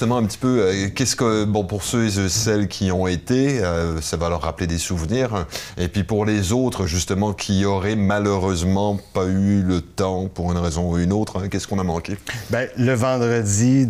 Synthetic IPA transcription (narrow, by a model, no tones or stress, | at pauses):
t̪əmɑ̃ɛ̃pət̪i̥pøøkʲɛskəbɔ̃puʁsøəsɛlkʲʰiɔ̃et̪eøsavalœʁːapled̪esuvniːʁepɥipuʁlezot̪χəʒyst̪əmɑ̃kʲʰiɔʁɛmaløʁøzmɑ̃paylət̪ɑ̃puʁynʁɛzɔ̃uynoːt̪χɛ̃kʲɛskɔ̃namɑ̃kʲebɛləvɑ̃d̪ʁəd͡z̪i